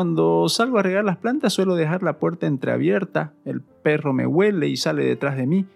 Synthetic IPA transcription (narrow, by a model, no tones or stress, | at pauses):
and̪osalɣoareɣaɾlasplant̪asːwe̞lo̞ðe̞xaɾlapwe̞ɾt̪aent̪ɾea̰βje̞ɾt̪aelpe̞ro̞me̞̰we̞le̞isale̞ðe̞̰t̪ɾazðe̞mi